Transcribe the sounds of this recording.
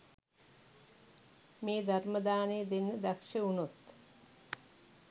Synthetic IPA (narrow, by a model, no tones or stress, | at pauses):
meːd̪ʱarməd̪aːnejəd̪enːəd̪akʃəunut̪